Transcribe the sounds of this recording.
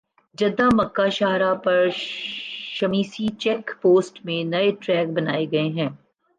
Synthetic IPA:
d͡ʒɐd̪ãmɐkːaʃaːɦɾapɐɾ | ʃɐmiːsit͡ʃɛːkpoːsʈmẽnɐeʈɾɛːk̚bɐna̰ːeɡɐeɦɛ̃ː

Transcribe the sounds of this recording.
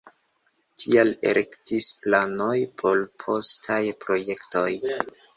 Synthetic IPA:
tʰialḛɾektisplano̞jpʰo̞lpʰo̞stʰajpɾo̞je̞kto̞j

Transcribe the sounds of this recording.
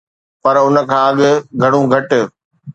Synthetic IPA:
pɐɾʊnə̆kʰãːɐɠɡʱɐɽ̃ũɡʱɐʈ

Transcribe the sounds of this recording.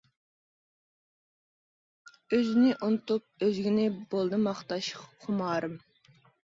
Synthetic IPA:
øzɪnɪʔunɨt̪up̚øzɡʲinɪbolˠd̪ɨmɑχt̪ɑʃqʰʊmɑːɾɨm

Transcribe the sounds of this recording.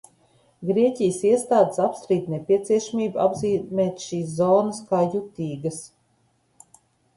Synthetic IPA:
ɡɾiɛcʲijəsiɛst̪aːd̪əsapst̪ɾiːt̪nepʲiɛt̪siɛʃamiːbuʔa̰bziːmɛːt̪ʃiːs̬zɔːnəskaːjut̪ʲiːɡɐs

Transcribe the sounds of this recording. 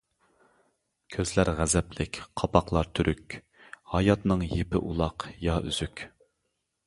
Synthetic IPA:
kʲʰøzlæɾʁæzɛplɪkʲqʰɑpɑqlˠɑɾt̪ʰyɾʔykʲ | hɑjɑt̪nɨŋjepɪ̰ʔulˠɑqjɑyz̥ykʲ

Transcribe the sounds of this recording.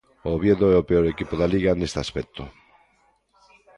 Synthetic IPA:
oβjeðoɛopeoɾekipoðaliɣanest̪easpɛk̚t̪o

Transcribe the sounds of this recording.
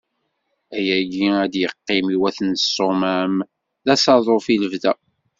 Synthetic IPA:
æjæɡiæd̪jəqːɪmiwæθənsːomæm | ðæsɑðˤofiləvðæ

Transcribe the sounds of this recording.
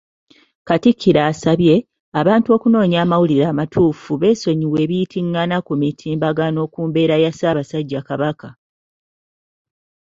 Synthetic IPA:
katikʰːiɾaːsaβje̞ | aβaːntuo̞ːkuno̞ːɲaːmawuliɾaːmatʰuːfuβe̞so̞ɲiwe̞ːβijitʰiŋːanakumitʰiːmbaɡano̞ːkuːmbe̞ːɾajasaːβasaɟːakaβaka

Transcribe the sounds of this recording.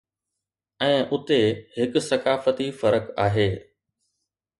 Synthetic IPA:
ɛ̃ːʔʊt̪eɦɪkʊsɐkaːfət̪ifɐɾəkaːɦeː

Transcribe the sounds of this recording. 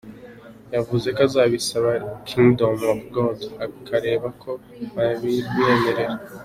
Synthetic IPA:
javuze̞kazaːβisaβakʰindomobɡodakʰaɾe̞ːβakʰo̞ | βaβiɾɡieme̞ɾe̞ɾa

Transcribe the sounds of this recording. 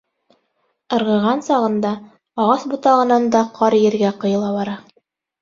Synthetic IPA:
ɤ̆ɾʁɤ̆ʁɑnsɑʁɤ̆nd̪ɑ | ɑʁɑsbŭt̪ɑʁɤ̆nɑnd̪ɑqʰɑɾjɘ̆ɾɡæqɤ̆jɤ̆lˠɑβɑɾɑ

